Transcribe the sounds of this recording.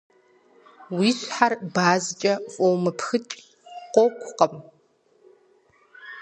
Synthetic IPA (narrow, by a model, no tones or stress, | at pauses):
wiːɬʷħarbaːzt͡ʃʼɐfʼowmɨpʰxɨt͡ʃʼ | qʷokʷʰʼʊqəm